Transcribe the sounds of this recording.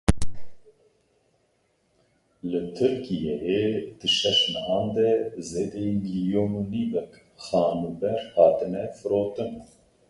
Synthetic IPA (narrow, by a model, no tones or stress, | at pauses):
lɨt̪ʰɨɾkijejed̪̥ɨʃɛʃnɛʔɑːnd̪ɛzeːd̪ɛimiljoːnuniːvɛk | xɑːnuːbɛɾhɑːt̪ɨnɛfɨɾoːt̪ɨn